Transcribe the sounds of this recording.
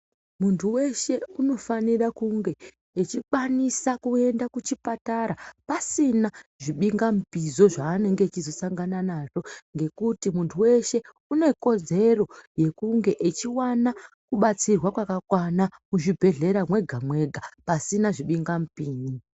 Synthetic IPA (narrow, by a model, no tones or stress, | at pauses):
muntʰuwe̞ʃe̞uno̞fanirakuŋɡe̞ | et͡ʃikanisakue̞ndakut͡ʃipataɾapasinaʐiɓiŋɡamupizo̞ʐaːne̞ŋɡet͡ʃizo̞saŋɡananaʐo̞ŋɡe̞kutimuntʰuwe̞ʃe̞ | une̞ko̞d͡ze̞ro̞je̞kuŋɡe̞ʔet͡ʃiwana | kuɓat͡sirwakwakakwanamuʐibʱe̞ɮe̞ɾamwe̞ɡʱamwe̞ɡʱapasinaʐiɓiŋɡamupiːɲi